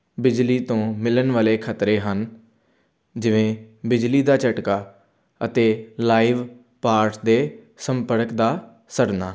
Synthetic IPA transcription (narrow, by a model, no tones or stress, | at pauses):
bɪd͡ʒliːt̪õːmɪlənʋaːleːkʰət̪ɾeːɦən | d͡ʒɪʋẽːbɪd͡ʒliːd̪aːt͡ʃəʈkaː | ət̪eːlaːiʋ | paːɾʈd̪eː | səmpəɾkd̪aː | səɽnaː